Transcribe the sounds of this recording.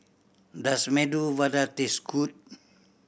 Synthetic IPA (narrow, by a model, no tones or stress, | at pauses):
dasmeduvadat̪iskʰut̪̚